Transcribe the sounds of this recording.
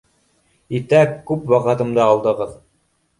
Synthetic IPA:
it̪ækʉpwɑqɤ̆t̪ɤ̆md̪ɤɑlˠd̪ɤ̆ʁɤð

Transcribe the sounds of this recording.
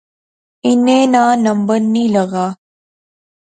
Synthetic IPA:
ɪnẽːnãːnɐmbəɾnĩːlɐɣaː

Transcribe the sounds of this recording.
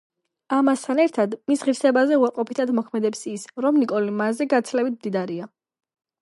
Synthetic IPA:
amast̪ʰanɛɾt̪ʰad̪misʁiɾsɛbazɛuaɾqʼɔpʰit̪ʰad̪mɔkʰmɛd̪ɛpsisɾɔmnikʼɔlimazɛɡat̪sʰlɛbit̪̚ʰmd̪id̪aɾia

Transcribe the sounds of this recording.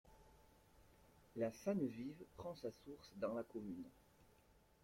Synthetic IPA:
lasanvivpχɑ̃sasuʁsd̪ɑ̃lakɔmyn

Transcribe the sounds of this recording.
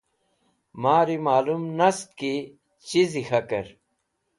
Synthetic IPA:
maːɾimaːlumnɐst̪̚ki | t͡ɕizixɐkɐɾ

